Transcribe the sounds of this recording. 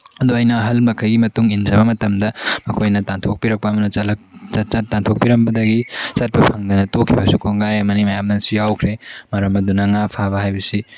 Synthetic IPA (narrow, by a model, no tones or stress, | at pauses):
ɐduɐjnɐːɦɐlmɐkʰɐjɡimɐtuŋind͡ʒɐbɐmɐtɐmdɐɐkʰojnɐtantʰok̚piɾɐk̚pɐːmɐnɐt͡ʃɐlɐkɐt͡ʃɐt̚tːantʰok̚piɾɐmbɐdɐɡisɐt̚pɐpʰɐŋdɐnɐtokʰːibɐsukʰoŋajɐmɐnimɐjamnɐsujawkʰɾemɐɾɐmɐdunɐŋapʰabɐhajbɐsi